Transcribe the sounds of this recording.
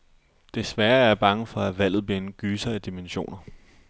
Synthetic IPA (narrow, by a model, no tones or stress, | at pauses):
d̥e̝sʋæːɐæb̥ɑ̈ŋəfɒ̽æʋæl̰ð̩ˠb̥liɐenɡ̥yːsɐæd̥imenɕo̝̰ːnɐ